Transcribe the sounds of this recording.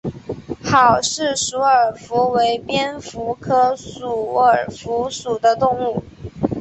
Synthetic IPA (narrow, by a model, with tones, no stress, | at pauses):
xɑ˨˩ʊʂɻ̩˥˩su˧˥ə˞˨˩fu˧˥we˧˥ɪpjɛ˥nfu˧˥kʰɤ˥ʂu˨˩ə˞˨˩fu˧˥ʂu˨˩d̪ə˦t̪ʊ˥˧ŋu˥˩